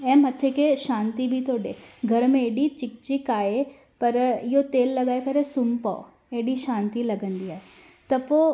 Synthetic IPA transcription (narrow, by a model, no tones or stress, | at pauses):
ɛ̃ːmɐt̪ʰekeʃãːnt̪ibʱit̪ʰoːɽeɡʱɐɾmẽeːɗit͡ɕɪk̚t͡ɕɪkaːɦe | pɐɾɪɦot̪eːlːɐɡaːekɐɾesʊmpa̰o | eːɽiʃãːnt̪ilɐɡə̃nd̪iaːɦe | t̪ɐpo